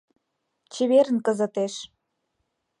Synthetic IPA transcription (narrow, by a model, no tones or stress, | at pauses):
t͡ɕeβeɾənkə̆zə̆t̪eʃ